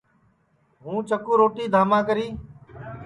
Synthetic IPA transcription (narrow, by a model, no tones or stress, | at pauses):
ɦũːt͡ʃəkuːɾoːʈiːd̪ʱaːmãːkəɾiː